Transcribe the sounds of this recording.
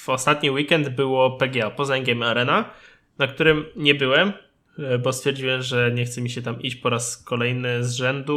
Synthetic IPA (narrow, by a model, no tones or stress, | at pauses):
vɔst̪at̪ɲiwikɛnd̪bɘwɔpɛɡʲɛapɔzaɛŋɡʲɛmʲiaɾɛna | nakt̪uɾɘmɲɛbɘwɛm | bɔst̪fʲjɛɾd͡ʑiwɛmʐɛɲɛxt̪sɛmʲiɕɛt̪amʔit͡ɕpɔɾaskɔlɛjnɘzʐɛnd̪u